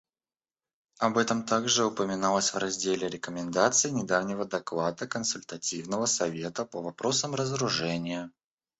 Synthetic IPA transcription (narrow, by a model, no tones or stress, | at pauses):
ɐbɛt̪əmt̪aɡʐɨʊpəmʲɪnalˠəsʲvrɐzʲdʲelʲɪɾʲɪkəmʲɪnd̪at̪sɨɪnʲɪd̪avnʲɪvəd̪ɐklˠad̪əkənsʊlʲt̪ɐtʲivnəvəsɐvʲe̞t̪əpəvɐpɾo̞səmrəzəɾʊʐɛnʲɪjə